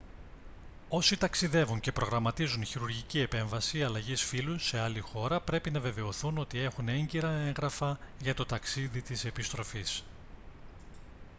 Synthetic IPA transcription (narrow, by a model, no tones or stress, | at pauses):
o̞sit̪ɐksiðe̞vuɲce̞pɾo̞ɣɾɐmɐt̪izunçiɾuɾʝicie̞pe̞ɱvɐsiɐlɐʝisfiluse̞ɐlixo̞ɾɐpɾe̞pinɐve̞ve̞o̞θuno̞t̪ie̞xune̞ɲɟiɾɐe̞ŋɣɾɐfɐʝɐt̪o̞t̪ɐksiðit̪ise̞pist̪ɾo̞fis